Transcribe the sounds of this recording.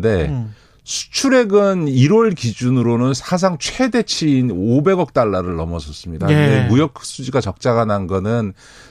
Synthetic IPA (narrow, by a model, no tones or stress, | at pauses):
de̞ | sʰu̥t͡ɕʰuɾe̞ɡɯniɾwʌɭkid͡ʑunɯɾonɯnsʰas̬ʰaŋt͡ɕʰwe̞de̞t͡ɕʰiːnobe̞ɡʌk̚t͈aɭːaɾɯɭnʌmʌsʰʌs͈ɯmɲidademujʌk̚ʰs͈ud͡ʑiɡat͡ɕʌk̚t͡ɕ͈aɡananɡʌnɯn